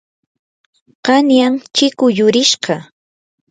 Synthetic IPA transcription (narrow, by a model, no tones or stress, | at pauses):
qɑnjaŋt͡ʃɪkʊjʊɾɪʃɢɑ